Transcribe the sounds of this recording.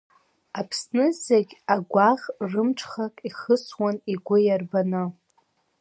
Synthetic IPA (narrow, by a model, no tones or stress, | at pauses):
apʰsnɨzeɡʲaɡʷaʁrɨmʈ͡ʂʰχakʼiχəswaniɡʷʊjarbanɨ